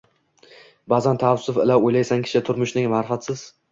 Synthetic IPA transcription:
bazant̪ʰaːsʊfɪlawojlajsaŋkʲʰɪ̥ʃɪt̪ʰʊɾmʊʃnɪŋmaɾfat̪sɪz̥

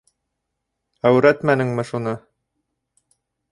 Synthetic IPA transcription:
æwɾæt̪mænɘŋmɘ̆ʃunɤ

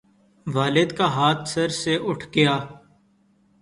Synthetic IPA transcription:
ʋaːlɪd̪kaːɦaːt̪ʰsəɾseːʔʊʈʰɡɪjaː

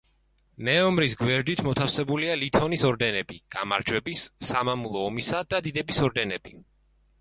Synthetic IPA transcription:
nɛɔmɾis̬ɡwɛɾd̪it̪ʰmɔt̪ʰafsɛbulialit̪ʰɔnisɔɾd̪ɛnɛbiɡ̥ama̰ɾd͡ʒwɛbisːamamulˠɔːmisad̪ad̪id̪ɛbisɔɾd̪ɛnɛbi

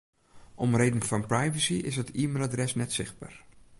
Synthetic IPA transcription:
ʔɔmrejdənfɑnprajvəsiɪ̰sətiːmelˠadrɛsnɛtsɪχd̚ba̰ːr

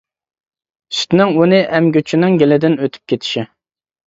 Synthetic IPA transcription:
sy̥t̪nɪŋunɪʔɛmɡʲøt͡ʃʰinɪŋɡʲelɪd̪ɪnøt̪ʰy̥p̚kʲʰet̪ʰɪ̥ʃɪ

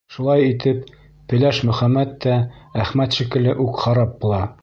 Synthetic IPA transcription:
ʃulˠɑjit̪ɘp | pɘ̆læʃmɵ̆χæmːæt̪ːææχmæt̪ʃikɘ̆lɘʔʉkχɑɾɑp̚bulˠɑ

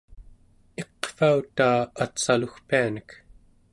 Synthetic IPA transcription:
e̞qfaut̪aːat̪saluxpianək

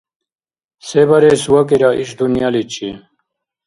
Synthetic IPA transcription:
sebɐɾesuwɐkiɾaʔiɕd̪unjalit͡ɕʰḭ

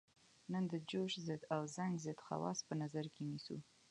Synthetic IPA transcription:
nənd̪əd͡ʒoʃzɪd̪awzaŋɡzɪd̪xa̰wɑ̰spənazaɾkenisṵ

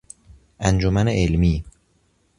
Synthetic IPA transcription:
ʔænd͡ʒomæneʔelmiː

